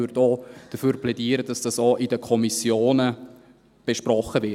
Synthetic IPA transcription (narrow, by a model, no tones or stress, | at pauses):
øɾtoːd̥əfyːɾplɛdiːəɾəd̥ɑsd̥ɑsoʔidəkʰɔmisjoːnə | b̥eʃprɔχəvɪ